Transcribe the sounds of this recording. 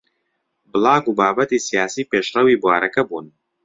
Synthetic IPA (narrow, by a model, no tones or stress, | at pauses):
bɨlˠaːɡubaːbɐt̪iːsijaːsiːpeʃrɐwiːbwaːɾɐkɐbuːn